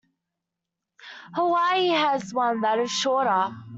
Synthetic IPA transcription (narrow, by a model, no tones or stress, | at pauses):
həwaɪiəzwʌ̃nðəɾəv̥ʃɔːˑɾə